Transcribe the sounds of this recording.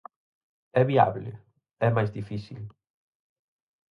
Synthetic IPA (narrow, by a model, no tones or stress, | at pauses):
ɛβia̰βlɪ̰ | ɛmajzðifiθil